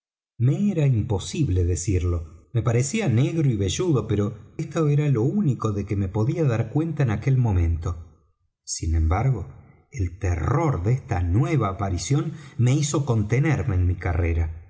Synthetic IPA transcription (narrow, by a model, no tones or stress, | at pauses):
meeɾaimpo̞siβle̞ðesiɾlo̞me̞paɾesiane̞ɣɾoiβe̞ʒuðo̞pe̞ɾo̞est̪oeɾalo̞uniko̞ðekeme̞po̞ðiaðaɾkwe̞nt̪aenake̞lmõ̞mẽ̞nt̪o̞ | sinẽ̞mbaɾɣo̞ | elt̪ero̞ɾðest̪anwe̞β̞aːpaɾisjo̞nme̞iso̞ko̞nt̪e̞neɾme̞ːnmikareɾa